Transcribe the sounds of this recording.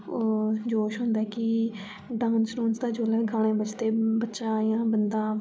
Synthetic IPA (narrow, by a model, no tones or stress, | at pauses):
d͡ʒoːʃɦʊ̃nd̪aɛkɪ | ɖãːnsɾuːnsd̪aːd͡ʒoːlɛːɡʱaːɽ̃ẽːbət͡ʃt̪eːbətːʃaːjãːbənd̪aː